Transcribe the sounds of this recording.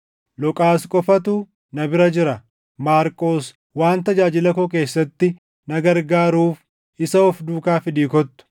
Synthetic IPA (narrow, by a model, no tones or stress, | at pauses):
lɔkʼaːskʼɔfɐt̪uː | nɐbɪɾɐd͡ʒɪɾɐ | maːɾkʼo̞ːs | waːnt̪ɐd͡ʒaːd͡ʒɪlɐkɔk̬e̞ːsːɐt̪ːɪ | nɐɡɐɾɡaːɾuːf | ɪsɐɔfd̪uːkaːfɪd̪iːkɔt̪ːʊ̥